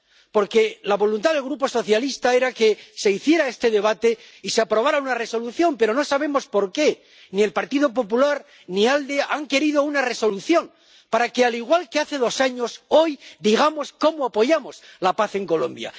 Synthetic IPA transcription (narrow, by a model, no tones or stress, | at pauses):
po̞ɾke̞laβo̞lunt̪aðe̞lɣɾup̬o̞so̞θjalist̪ae̞ɾake̞se̞iθje̞ɾae̞st̪e̞ðe̞β̞at̪e̞ | iseapɾo̞β̞aɾaunare̞so̞luθjo̞mpe̞ɾo̞no̞saβ̞e̞mo̞spo̞ɾke̞ | nie̞lpaɾt̪iðo̞p̬o̞p̬ulaɾ | niald̪eaŋke̞ɾið̞o̞unare̞so̞luθjo̞ŋ | paɾake̞aliɣwalke̞aθe̞ðo̞saɲo̞so̞jd̪iɣ̞amo̞sko̞moapo̞ʝamo̞slapaθe̞ŋko̞lo̞̰mbja̰